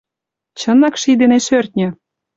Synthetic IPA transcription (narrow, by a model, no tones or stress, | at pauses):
t͡ɕɤ̆nɑkʃid̪eneʃørʲt̪̚ʲnʲɘ̆